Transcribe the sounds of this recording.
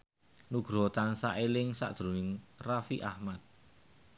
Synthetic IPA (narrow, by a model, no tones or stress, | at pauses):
nuɡ̥ɾɔ̤t̪ansaʔelɪŋsa̰ʔd̪̥ɾunɪŋrafiʔahmat̪̚